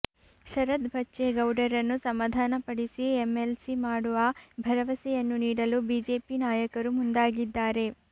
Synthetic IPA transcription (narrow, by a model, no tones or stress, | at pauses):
ʃɐɾɐd̪bʱɐtːʃeɡɐwɖɐɾɐnːusɐmaːd̪ʱaːnɐpɐɽisiemelsimaːɽuʋɐbʱɐɾɐʋɐsɛjɐnːuniːɽɐlubiːd͡ʒeːpinaːjɐkɐɾumund̪aːɡid̪ːaːɾe̞